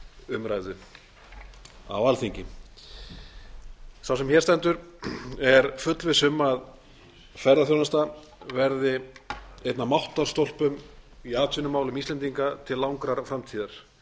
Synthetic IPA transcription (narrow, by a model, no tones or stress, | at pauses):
ʏmɾajðʏ | a̰valθiɲcɪ | θawsɛmçɛɾ̥t̪ɛnt̪ʏɾɛɾfʏt̪lvɪsʏmað | fɛɾðaθjownast̪a | vɛɾðɪ | ejt̪namawht̪aɾ̥st̪ol̥pʏmiaːt̪ʰʏnʏmaːwlʏmist̪ɛnt̪iŋkat̪ʰɪlːawŋkɾaɾfɾamt̪ʰiːðaɾ̥